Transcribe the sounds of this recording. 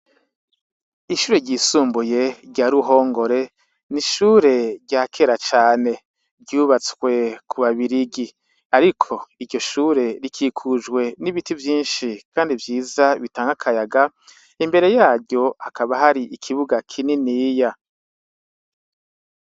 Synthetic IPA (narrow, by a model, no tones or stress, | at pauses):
iʃuːɾe̞ɟiːsuːmbuje̞ɟaɾuɦo̞ːŋɡo̞ɾe̞ | niʃuːɾe̞ɾɟaːkʰe̞ɾat͡ʃaːne̞ | bɟuːβat͡swe̞kʰuβaβiɾiɡi | aɾikʰo̞iɾɟo̞ʃuːɾe̞ɾikʰiːkʰud͡ʒɡwe̞niβitivjiːnʃikʰaːndivjiːzaβitaːŋɡakʰajaɡa | imbe̞ɾe̞jaːɟo̞akʰaβaɦaɾiʔikʰiβuɡakʰininiːja